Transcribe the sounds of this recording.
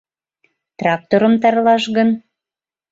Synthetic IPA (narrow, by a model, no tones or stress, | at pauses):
t̪rɑk̚t̪oɾə̆mt̪ɑrlɑʃɣən